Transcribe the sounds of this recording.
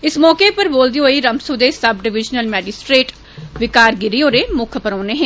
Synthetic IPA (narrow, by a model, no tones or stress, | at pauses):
ɪsmɔːkeːpəɾboːld̪iːɦoːiːɾəmsud̪eːsəbɖɪʋɪd͡ʒnəlmɛːd͡ʒɪsʈɾeːʈ | ʋɪkaːɾɡɪɾioːɾeːmʊkʰpəɾɔːneːɦɛ̃ː